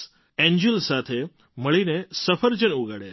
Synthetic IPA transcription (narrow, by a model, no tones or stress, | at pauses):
ɛ̃ɲd͡ʒulsat̪ʰe | məɭinesəfʰəɾd͡ʒənuɡaɽḛ